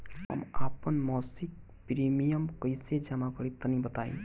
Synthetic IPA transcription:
ɦə̰mapənmɔsik̚ | pɾimijəmkəjsed͡ʒamakɔɾit̪ənibət̪aḭ̃

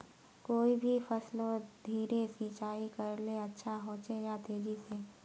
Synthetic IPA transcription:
koːibʱifɐslõd̪ʱiːɾesiːt͡ʃaːikɐɾleɐtːʃʰaɦõːt͡ʃejat̪eːd͡ʒise

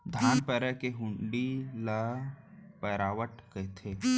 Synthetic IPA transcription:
d̪ʱaːnpəɾəɦkeɦʊ̃ɳɖilə | pəɾaːʋəʈkət̪ʰeː

